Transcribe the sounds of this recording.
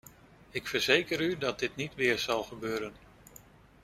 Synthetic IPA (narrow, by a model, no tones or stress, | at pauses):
ɪkfəɹzejkəɾydɑt̚dɪtnitʋɪːɹz̥ɑlˠχəbøːɾən